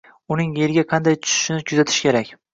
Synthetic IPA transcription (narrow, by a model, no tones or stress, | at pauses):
ʊnɪŋe̞ɾɪɡʲaqʰɑnd̪ajt̪ʰʊ̥ʃʊ̥ʃnɪkʰʊzat̪ʰɪ̥ʃkʲe̞ɾakʲ